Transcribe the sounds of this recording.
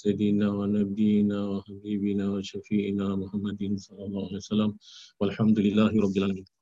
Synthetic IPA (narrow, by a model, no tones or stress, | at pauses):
sad̪inaːwanabɪjnaːwahabiːbɪnaːwaʃafiːʔɪnaːmʊhamːad̪ɪnsˤɑlːɑlˤːɑːhʊalijwasalaːmwalħamd̪ʊlɪlːaːɦɪɾˤɑbːɪlʕaːamiːn